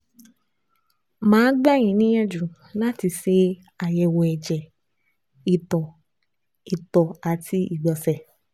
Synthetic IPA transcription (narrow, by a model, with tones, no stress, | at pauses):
mãː˨˦ɡ͡ba˦˨j̃ĩ˨˦nĩ˦jɛ˦d͡ʒu˨ | la˦ti˧se˧ | a˨jɛ˨wɔ˨ɛ˨d͡ʒɛ˨ | i˨tɔ˨ | i˨tɔ˨a˨tʰi˧i˦˨ɡ͡bɔ˨sɛ˨